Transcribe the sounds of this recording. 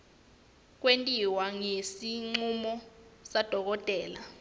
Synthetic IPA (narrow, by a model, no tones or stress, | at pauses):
k̬wentʼiwaŋesiŋ͡ǀumɔsad̥ʱɔk̬ɔtʼɛːla